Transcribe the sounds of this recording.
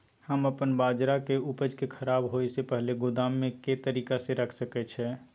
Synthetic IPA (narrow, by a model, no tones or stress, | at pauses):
həməpənbaːd͡ʒɾakeʊpəd͡ʒkekʰəɾaːbɦoːjsepɛɦleɡʊd̪aːmːẽket̪əɾiːkaseɾəkʰsəkɛt͡ʃʰɛː